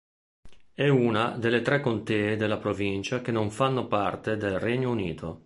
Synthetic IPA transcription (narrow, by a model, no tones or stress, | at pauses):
ɛuːnad̪elet̪ɾɛkːont̪eːd̪elapɾovint͡ʃak̟enoɱfanːopart̪ed̪elrɛɲːounḭːt̪ʰo